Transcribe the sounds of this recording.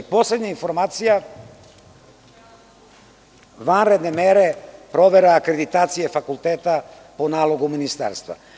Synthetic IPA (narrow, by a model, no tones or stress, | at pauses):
po̞sled̪ɲainfo̞ɾmaːt̪sija | ʋanɾe̞d̪nemeɾepɾo̞ʋeɾeakɾed̪it̪aːt̪sijefakulˠt̪eːt̪a | po̞naːlˠo̞ɡuminist̪a̰ːɾst̪ʋa̰